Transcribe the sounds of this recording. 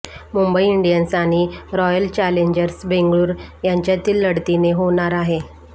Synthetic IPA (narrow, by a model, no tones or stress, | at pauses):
mumbəiiɳɖijənsaɽ̃iɾɔjəlt͡ɕæleɲd͡ʑəɾsbeŋɡɭuːɾjaɲt͡ɕjat̪iːlːəɽt̪ineɦoɽ̃aɾaɦe